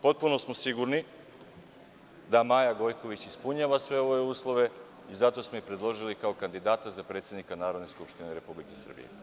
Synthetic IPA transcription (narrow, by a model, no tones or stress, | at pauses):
po̞t̪̚puno̞smo̞siɡuɾni | d̪amaːjaɡo̞jko̞ʋit͡ɕispuɲaːʋasʋe̞o̞euːslˠo̞ʋe̞ | izat̪o̞smoipɾe̞d̪lˠo̞ʒilikao̞kand̪id̪aːt̪azapɾe̞ːt̪sje̞d̪nikanaːɾod̪ne̞skupʃt̪ineɾe̞publikesr̩bḭjḛ